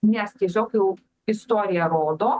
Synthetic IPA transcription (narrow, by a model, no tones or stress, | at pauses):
nʲɛst̪ʲes̬ʲnʲoːkjɛʊ | ɪst̪oːɾʲɪjɛɾoːd̪oː